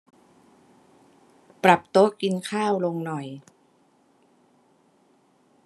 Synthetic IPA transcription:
pɾa˨˩p̚t̪o˦˥ki˧nkʰaː˥˩wlo˧ŋnɔ˨˩j

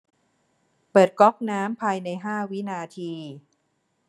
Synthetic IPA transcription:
pɤː˨˩t̪̚kɔ˦˥k̚naː˦˥mpʰaː˧jna˧jɦaː˥˩wi˦˥naː˧t̪ʰiː˧

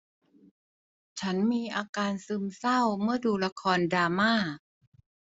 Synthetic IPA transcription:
t͡ɕʰa˦˥nmiː˧ʔaː˧kaː˧nsɯː˧msa˥˩wmɯ˥˩ɐduː˧la˧˥kʰɔː˧ndaː˧maː˥˩

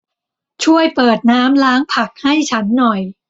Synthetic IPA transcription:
t͡ɕʰu˥˩əjpɤː˨˩t̪̚naː˦˥mlaː˦˥ŋpʰa˨˩k̚ha˥˩jt͡ɕʰa˦˥nːɔ˨˩j

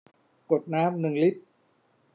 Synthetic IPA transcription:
ku˨˩ət̪̚naː˦˥mnɯ˨˩ŋli˦˥t̚

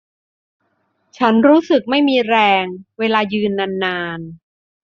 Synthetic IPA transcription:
t͡ɕʰa˦˥nɾuː˦˥sɯ˨˩k̚ma˥˩jmiː˧ɾɛː˧ŋweː˧laː˧jɯː˧nːa˧nːaː˧n

